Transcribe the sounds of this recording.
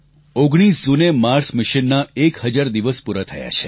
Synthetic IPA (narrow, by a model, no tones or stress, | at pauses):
oɡɽ̃isd͡ʒunemaɾsmɪʃinːaekhəd͡ʒaɾd̪iʋəspuɾat̪ʰəja̰t͡ʃʰe